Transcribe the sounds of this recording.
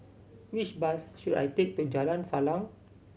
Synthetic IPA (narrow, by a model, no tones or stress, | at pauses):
wit͡ʃbasʃuda̰jt̪ek̚t̪ud͡ʒalãnsalãŋ